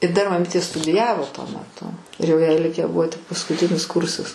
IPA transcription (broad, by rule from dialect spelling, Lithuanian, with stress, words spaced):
ɪ dɐr mɐˈmʲiːtʲeː stʊdʲɪˈjæːʋoː tuɔ mʲɛˈtʊ ɪr jɛʊ jɛɪ ˈlʲɪkʲæː ˈbʊʋoː tʲɪk pɐskʊˈtʲɪnʲɪs ˈkʊrsɐs